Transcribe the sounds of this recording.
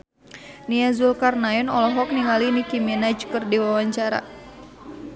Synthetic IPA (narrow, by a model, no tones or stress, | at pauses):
niazulkarnajɔnɔlɔɦɔk̚niŋalinikiminad͡ʒkɨrdiwawaɲt͡ʃaɾa̰